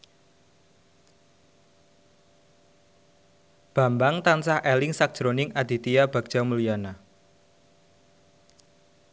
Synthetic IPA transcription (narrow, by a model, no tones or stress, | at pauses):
b̥a̤mbaŋt̪ansahʔɛlɪŋsak̚ʒ̥ɾonɪŋad̪̥i̤t̪iab̥a̤ɡ̥̚ʒ̥amulujana